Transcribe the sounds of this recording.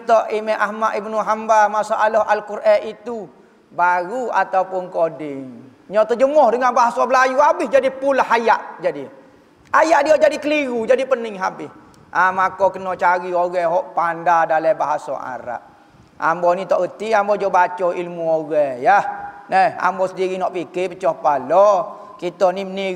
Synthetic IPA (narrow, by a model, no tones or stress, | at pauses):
t̪ɔʔimɛʔahmaʔibnuɦambamasaʔalɔhʔalkuɾʔait̪u | baɣua̰t̪aupʊnkodɪŋ | ɲɔt̪əd͡ʒəmɔhdəŋanbaɦasɔbəlajuabɪhd͡ʒadipʊnlahajaʔd͡ʒadi | ajaʔdioʔd͡ʒadikəliɣud͡ʒadipənɪŋɦabɪh | ʔamakɔkənɔʔt͡ʃaɾioɣɛɦɔʔpandadalɛbaɦasɔ̰ʔa̰ɾa̰ʔ | a̰mbɔnit̪ɔʔɡət̪iʔambɔd͡ʒɔbat͡ʃɔilmuoɣɛjahnɛha̰mbɔsədiɣinɔʔpikɪʔpət͡ʃɔhpalɔ | kit̪ɔniməni